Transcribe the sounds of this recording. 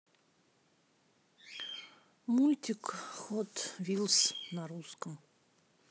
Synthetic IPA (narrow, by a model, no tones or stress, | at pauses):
mulʲtʲɪkxot̪vʲilˠsnaɾuskəm